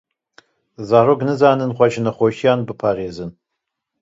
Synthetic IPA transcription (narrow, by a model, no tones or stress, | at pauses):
zaːroɡnɨzaːnɨnχʷɔt͡ʃɪnɐχʷoʃiaːnbɨpʰaːreːzɨn